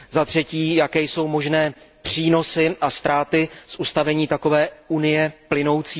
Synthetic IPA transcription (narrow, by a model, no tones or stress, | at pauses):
zat̪r̝̥ɛciːjakɛːjso̞wmo̞ʒnɛːpr̝̥iːno̞sɪʔast̪ɾaːt̪ɪsʔust̪avɛɲiːt̪ako̞vɛːunɪjɛplɪno̞wt͡siː